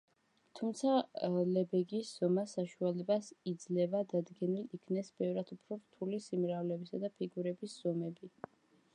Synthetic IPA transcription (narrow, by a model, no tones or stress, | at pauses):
t̪ʰumt̪sʰalɛbɛɡisz̥ɔmasaʃualɛbasid̪zlɛbad̪ad̪ɡɛnilikʰnɛsbɛvɾad̪upʰɾɔɾt̪ʰulisimɾavlɛbisad̪apʰiɡuɾɛbisz̥ɔmɛbi